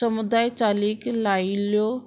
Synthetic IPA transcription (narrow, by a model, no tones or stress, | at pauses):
əmud̪aːjt͡ʃaːliklaːiljo